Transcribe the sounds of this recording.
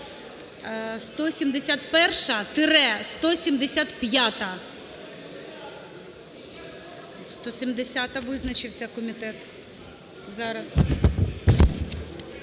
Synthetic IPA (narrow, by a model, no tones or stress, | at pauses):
st̪ɔsʲimd̪esʲat̪pɛrʃɐt̪ɪɾɛst̪ɔsʲimd̪esʲat̪pjat̪ɐ | st̪ɔsʲimd̪esʲat̪ɐʋɪznɐt͡ʃɪwsʲɐkɔmʲit̪ɛt̪ | zɑɾɐs